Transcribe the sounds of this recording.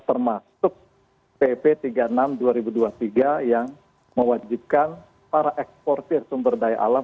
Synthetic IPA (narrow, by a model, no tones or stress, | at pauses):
t̪ərmasʊk̚ | pepet̪iɡaənamduaɾibuduat̪iɡajaŋ | məwad͡ʒip̚kan | paɾaʔɛkspɔrt̪ɪrsumbərdaja̰ʔa̰la